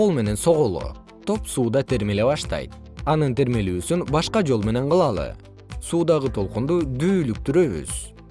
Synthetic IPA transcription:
qo̞lˠme̞ne̞nso̞ʁolˠo̰ | t̪ʰo̞psuːd̪ɑt̪ʰe̞ɾme̞le̞βɑʃt̪ɑ̰jt̪̚ | ɑnɯnt̪e̞ɾme̞lyːsynbɑʃqɑd͡ʒo̞lˠme̞ne̞ɴqɯlˠɑlˠɯ̰ | suːd̪ɑʁɯt̪ʰo̞lˠqund̪ud̪yːlyk̚t̪yɾø̞βy̰z̥

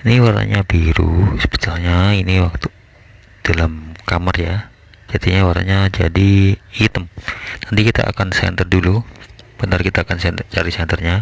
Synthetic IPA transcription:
iniwaɾa̰ɲabiɾṵsə̥bə̥t̪aɲainiwak̚t̪u | d̥alamkamərja | d͡ʒad̪iɲawaɾa̰ɲad͡ʒadiit̪əmnant̪ikit̪a̰ʔa̰kansɛ̰nt̪ərdulub̥ənərkit̪aːkansɛt͡ʃaɾisɛnt̪ərɲa

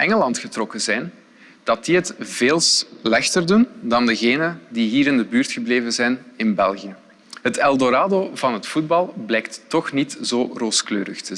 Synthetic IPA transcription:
ʔɛŋəlɑntxətrɔkəzɛjn | d̥ɑt̚diɦətv̥eːlˠslɛxtərdundɑndəɣeːnədiɦiːɾɪndəbyːrtxəbleːvənzɛjnɪnbɛlˠɣijə | ɦətɛlˠdoɾaːdoːvɑnɦətfud̚bɑlˠblɛːk̚ttɔxnitz̥oːroːsklø̰ːɾə̰xtə

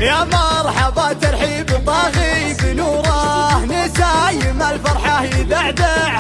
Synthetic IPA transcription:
jamɑɾˤħabɑːt̪ɪɾˤħiːbb̪ˤɑɣibinuːɾˤɑnɪsajmalfɑɾˤħahid̪aʕd̪aʕ

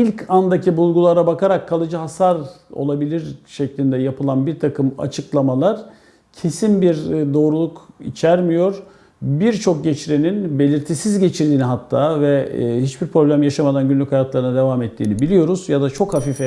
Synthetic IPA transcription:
ilʲcʰand̪acʰibulˠɡulˠaɾabakʰaɾakʰːalˠɯd͡ʒɯɦasaɾo̞̰lˠabilʲiɾʃɛclʲind̪ɛjapɯlˠanbiɾt̪ʰakʰɯma̰t͡ʃʰɯklˠamalˠaɾ̥ | cʰe̞sinbiɾd̪o̞ːɾulˠukḭt͡ʃʰæɾmijo̞ɾ | biɾt͡ʃʰo̞k̚ɟɛt͡ʃɾeninbe̞lʲiɾt̪ʰisizɟe̞t͡ʃʰiɾd̪iːniɦat̪ʰːaːvɛhit͡ʃbiɾpʰɾo̞blʲæmjaʃamad̪anɟynlʲychajat̪lˠaɾɯnad̪e̞vamɛt̪ʰːiːnibilʲijo̞ɾuzjad̪at͡ʃʰo̞khafiːfɛ

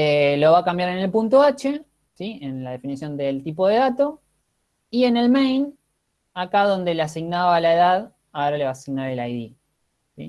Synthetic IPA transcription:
elo̞βakambjaɾene̞lpunt̪oat͡ʃe̞ | sienlaðe̞finisjo̞nd̪elt̪ipo̞ðeðat̪o̞ | ie̞ne̞lmejn | akaðo̞nd̪e̞leasiɣnaβalaeðað | aoɾale̞βaːsiɣnaɾe̞lajði | sḭ

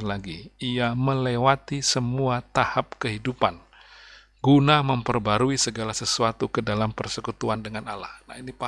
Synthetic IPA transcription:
laɡiiaməlewat̪isəmuat̪ahap̚kəɦidupan | ɡunaməmpərbaɾuisəɡalasəsuat̪ukədalampərsəkut̪uandəŋanala̰hna̰hinipa

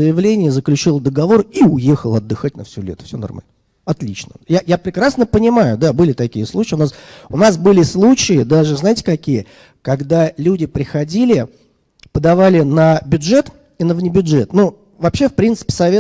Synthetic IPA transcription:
əjɪvlʲenʲɪjəzəklʲʉt͡ɕilˠəd̪əɡɐvo̞riʊjexəlˠɐd̪ːɨxat̚ʲnəfsʲʊlʲḛt̪fsʲonɐ̰rma̰lʲnə | ɐt̪lʲit͡ɕnəjajapɾʲɪkɾasnəpənʲɪmajʊd̪abɨlʲɪt̪ɐkʲijəslˠut͡ɕɪʊnasʊnasbɨlʲɪslˠut͡ɕɪɪd̪aʐɨznaɪtʲɪkɐkʲijə | kɐɡd̪alʲudʲɪpɾʲɪxɐdʲilʲɪ | pəd̪ɐvalʲɪnəbʲʊdʐɛt̪ | inəvnʲɪbʲʊdʐɛt̪nu | vɐpɕːe̞fpɾʲint̪sɨ̥pʲɪ̥sɐvʲe

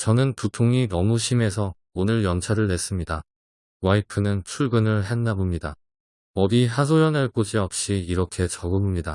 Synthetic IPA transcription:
t͡ɕʌnɯnputʰoŋinʌmuɕʰime̞sʰʌ | onɯɭjʌnt͡ɕʰaɾɯɭne̞s͈ɯmɲida | waipʰɯnɯnt͡ɕʰuɭɡɯnɯɭɦe̞nːabomɲida | ʌɾiɦas̬ʰojʌnaɭk͈od͡ʑiʌp̚ɕ͈iːɾʌkʰe̞t͡ɕʌɡɯmɯmɲida

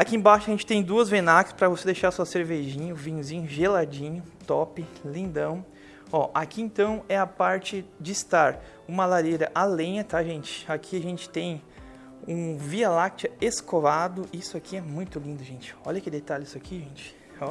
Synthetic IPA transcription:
akiẽbaʃʊɐʒẽt͡ʃɪ̥t̪ẽj̃d̪uɐzvẽnakɪ̥spɾɐvosed̪ejʃaɾsuɐseɾveʒĩɲʊvĩɲʊzĩɲʊʒelad͡ʒĩɲʊt̪ɔpɪlĩnd̪ɐ̃w̃ | ɔʔakiẽnt̪ɐ̃w̃ɛɐpaɾt͡ʃɪd͡ʒɪːst̪aɾ | ũmɐlaɾeɾɐʔalẽɲɐt̪aʒẽnt͡ʃɪ̥akʰiaʒẽnt͡ʃɪ̥t̪ẽj̃ | ũvialak̚t͡ʃɐeskovad̪ʊisʊakiɛmũj̃t̪ʊlĩnd̪ʊʒẽnt͡ʃɪ̥ɔʎɐkɪd̪et̪alɪi̥sakʰiʒẽnt͡ʃɪ̥ | ɔ

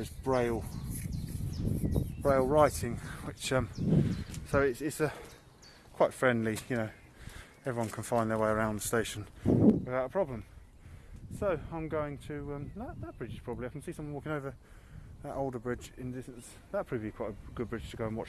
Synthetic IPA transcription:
ɪzbɹeɪlˠ | b̥ɹeɪlˠɹaɪtɪ̃ŋwɪt͡ʃʌ̃m | soʊɪtsɪtsʌ | kʰw̥aɪtfɹɛ̃ndˡlijɨnoʊ | ɛvɹiwʌ̃nkʰə̃nfãɪ̃nðə˞weɪəɹãʊ̃nðə̥steɪʃə̃nwɨðaʊtəpʰɹ̥ɒblə̃m | soʊãɪ̃mɡəʊɪ̃ŋtʰɨʌ̃mðəʔðət̚b̥ɹɪd͡ʒɨz̥pɹ̥ɒbəbliaɪkə̃nsisʌ̃mwʌ̃wɔˑkɪ̃ŋəʊvə˞ | ðəʔoʊlˠdəbɹɪd͡ʒɪ̃ndɪstn̩s | ðət̚pʰɹ̥iəblikʰw̥aɪɾəɡ̥ʊd̚bɹɪd̥ʒ̥tʰəɡoʊə̃nwɒt͡ʃ

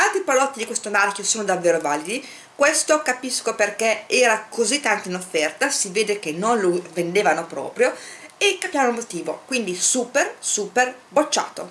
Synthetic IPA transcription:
ant̪ɾipalɔt̪ːid̪ikwest̪omarkʲjosoːnod̪avːeːɾovaːlid̪i | kwest̪okapiskoperkeɛːɾakʰozit̪ːant̪oinofːɛrt̪asiveːd̪ek̟enːonlovend̪eːvanopɾɔ̰ːpɾjoekːapjaːvanomot̪iːvo̰kwind̪isuːpersuːperbot͡ʃːa̰ːt̪o̰

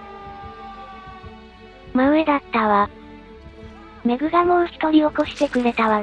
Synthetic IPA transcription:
maɯ̟e̞d̪at̪ːaβa | me̞ɡɯ̟ɡamoːçi̥t̪o̞ɾʲio̞ko̞ɕi̥t̪e̞kɯ̟ɾe̞t̪aβa

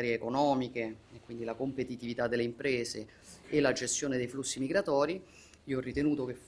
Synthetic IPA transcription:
ɾjeːkonɔːmikeekːwind̪ilakompet̪it̪ivit̪ad̪ːelːeimpɾeːze | elːad͡ʒest̪joːned̪ejflusːimiɡɾat̪ɔːɾi | iːoɔrːit̪enuːt̪ok̟ef

